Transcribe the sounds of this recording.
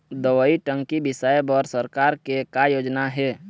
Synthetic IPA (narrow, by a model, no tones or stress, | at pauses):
d̪əʋəiʈə̃ŋɡkibɪsajbɔɾsəɾkaːɾkekajoːd͡ʒnaɦɛː